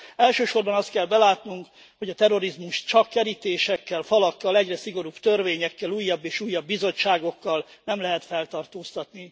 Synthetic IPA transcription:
ɛlʃøːʃo̞rbɒnɒst̪̚kɛlbɛlaːt̪nuŋk | hoɟɒt̪ɛro̞ɾizmuʃt̪t͡ʃɒkːɛɾit̪eːʃɛkːɛlfɒlɒkːɒlɛɟrɛsiɡo̞ɾuːbt̪ørveːɲɛkːɛluːjːɒbːeːʃuːjːɒbːizo̞t͡ʃːaːɡo̞kːɒlnɛmlɛɦɛt̪fɛlt̪ɒrt̪oːst̪ɒt̪ni

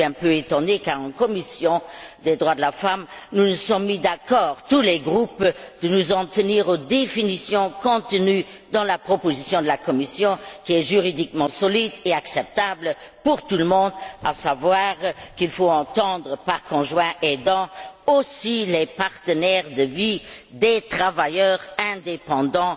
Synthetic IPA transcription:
ɛ̃pøet̪ɔ̃nd̪ekaʁɑ̃kɔmisjɔ̃d̪ɛd̪ʁwad̪əlafamnunusɔ̃mid̪akɔːʁt̪ulɛɡʁupd̪̥ənuzɑ̃t̪əniːʁod̪efinisjɔ̃kɔ̃t̪əny | d̪ɑ̃lapχɔpozisjɔ̃d̪əlakɔmisjɔ̃kiɛʒyʁid̪ikmɑ̃sɔlid̪eaksɛp̚t̪ablə | puʁt̪uləmɔ̃d̪a̰savwaːʁkilfoɑ̃t̪ɑ̃d̪ʁəpaʁkɔ̃ʒwɛ̃ʔed̪ɑ̃osilɛpaʁt̪ənɛʁd̪əvid̪et̪χavajœːʁɛ̃d̪epɑ̃d̪ɑ̃

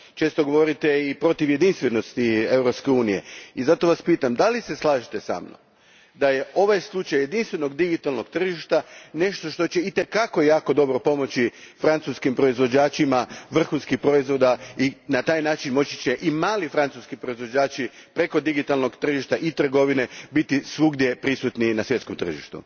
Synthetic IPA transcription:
t͡ʃe̞ːst̪o̞ɡo̞ʋo̞ɾit̪eipɾo̞t̪iʋje̞d̪inst̪ʋe̞no̞st̪iewɾo̞pskeuːnije̞̰izat̪o̞ʋaspiːt̪amd̪alise̞slˠaːʒit̪esa̰ːmno̰ | d̪aje̞o̞ʋajslˠut͡ʃajːe̞d̪inst̪ʋe̞no̞ɡd̪iɡit̪alˠno̞ɡt̪r̩ʒiʃt̪ane̞ʃt̪o̞ʃt̪o̞t͡ɕe̞it̪e̞kako̞jaːko̞d̪o̞bɾo̞po̞mo̞t͡ɕifɾant̪suskimpɾo̞izʋo̞d͡ʑaːt͡ʃimaʋr̩xunskixpɾo̞izʋo̞d̪ainat̪aːjnaːt͡ʃinmo̞t͡ɕi̥t͡ɕe̞ʔimaːlifɾant̪suskipɾo̞izʋo̞d͡ʑaːt͡ʃipɾe̞ko̞d̪iɡit̪alˠno̞ɡt̪r̩ʒiʃt̪aʔit̪r̩ɡo̞ʋinebit̪isʋuɡd̪je̞pɾisut̪ninasʋjet̪ko̞mt̪r̩ʒiʃt̪ṵ

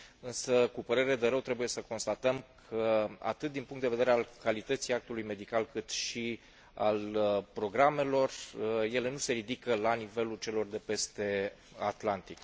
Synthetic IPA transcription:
ɨnsəkupəɾe̞ɾe̞d̪e̞ɾəwt̪ɾe̞buje̞səko̞nst̪at̪əmkʰəa̰t̪ɨt̪̚d̪inpuŋkt̪d̪eve̞d̪eɾealkalit̪ət̪sijak̚t̪ulujme̞d̪ikalkɨt̪ʃi | a̰lpɾo̞ɡɾame̞lo̞rje̞le̞nuse̞ɾid̪ikəlanive̞lult͡ʃe̞lo̞rd̪e̞pe̞st̪e̞ | at̪lant̪ik

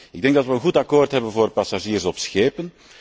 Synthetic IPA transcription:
ɪɡ̚dɛŋɡdɑtʋəənɣutɑkoːrtɦɛbənvoːrpɑsaʒiːrsɔpsxeːpən

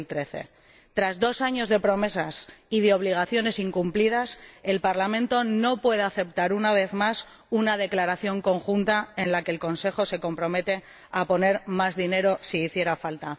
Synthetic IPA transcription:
lt̪ɾe̞θe̞̰ | t̪ɾazðo̞saɲo̞zðe̞pɾo̞me̞sasiðeo̞β̞liɣ̞aθjo̞ne̞siŋkumplið̞ase̞lpaɾlamẽ̞nt̪o̞no̞pwe̞ð̞eaθe̞p̚t̪aɾunaβ̞e̞θmas | unað̞e̞klaɾaθjo̞ŋko̞ŋxunt̪ae̞nlake̞ːlko̞nse̞xo̞se̞ko̞mpɾo̞me̞t̪e̞ | apo̞ne̞ɾmazðine̞ɾo̞siːθje̞ɾafalt̪a

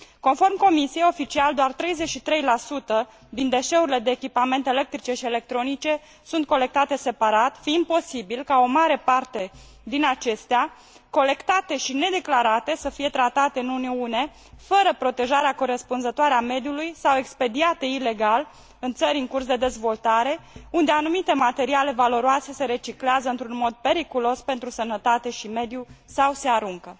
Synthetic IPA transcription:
ko̞nfo̞rmko̞misije̞jo̞fit͡ʃiald̪oart̪ɾe̞jze̞t͡ʃʃit̪ɾe̞jlasut̪ə | d̪ind̪e̞ʃe̞uɾile̞d̪e̞ːkʲipame̞nt̪eele̞k̚t̪ɾit͡ʃe̞ʃie̞le̞k̚t̪ɾo̞nit͡ʃe̞ | sunt̪̚ko̞le̞k̚t̪at̪e̞se̞paɾat̪fiimpo̞sibilkao̞maɾe̞part̪e̞ | d̪inat͡ʃe̞st̪ea | ko̞le̞kt̪at̪e̞ʃine̞d̪eklaɾat̪e̞səfije̞t̪ɾat̪at̪e̞ɨnuneune̞ | fəɾəpɾo̞t̪e̞ʒaɾeako̞ɾe̞spunzət̪oaɾeame̞d̪julujsawe̞kspe̞d̪iat̪e̞ile̞ɡal | ɨnt̪səɾʲɨŋkursd̪e̞d̪e̞zvo̞lt̪aɾe̞und̪e̞anumit̪e̞mat̪e̞ɾiale̞valo̞ɾoase̞se̞ɾe̞t͡ʃikleazəɨnt̪ɾunmo̞d̪̚pe̞ɾikulo̞spe̞nt̪ɾusənət̪at̪e̞ʃime̞d̪jusawse̞aɾuŋkə

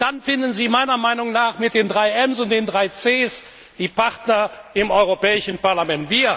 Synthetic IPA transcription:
d̥anfɪndnziːmaɪnɐmaɪnʊŋnaːχmɪt̚d̥eːndʁaɪɛmsʊnt̚d̥eːndʁaɪt͡seːs | d̥iːpaʁtnɐɪmɔʏʁopɛːɪʃn̩paɐlamɛntv̥iːɐ

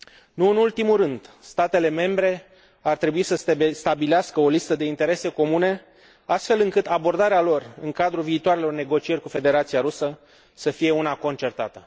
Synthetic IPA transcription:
nuɨnult̪imuɾɨnd̪st̪at̪e̞le̞me̞mbɾe̞ | art̪ɾe̞buisəsst̪abileaskəolist̪əd̪e̞int̪e̞ɾe̞se̞ko̞mune̞ | ast̪fe̞lɨŋkɨt̪abo̞rd̪aɾealo̞rɨŋkad̪ɾuviːt̪oaɾe̞lo̞rne̞ɡo̞t͡ʃie̞rʲkufe̞d̪e̞ɾat̪sijaɾusə | səfije̞unako̞nt͡ʃe̞rt̪at̪ə

